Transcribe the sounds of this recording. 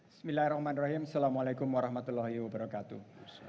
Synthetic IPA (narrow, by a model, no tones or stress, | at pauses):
smilahrɔhmanraɦimsalamalekʊmwaɾɑhmat̪ulːahiwabaɾakat̪u